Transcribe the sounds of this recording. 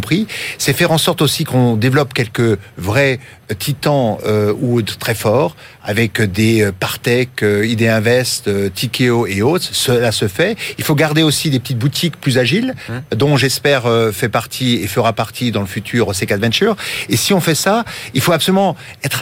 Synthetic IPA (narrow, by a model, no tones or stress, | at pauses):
pχisɛfɛʁɑ̃sɔʁt̪osikɔ̃d̪evlɔpkʲɛlkəvʁɛ | t̪ʰit̪ɑ̃øut̪χɛfɔːʁ | a̰vɛkd̪eøpaʁt̪ɛkøid̪eɛ̃vɛst̪øt̪ʰikʲeoeot̪χsəlasəfɛilfoɡaʁd̪eosid̪epət̪it̪̚but̪ʰikplyzaʒild̪ɔ̃ʒɛspɛʁøfɛpaʁt̪ʰiefəʁapaʁt̪ʰid̪ɑ̃ləfyt̪ʰyʁosɛkad̪vɛ̃t̪yːʁesiɔ̃fɛsailfoapsɔlymɑ̃ | ɛt̪χ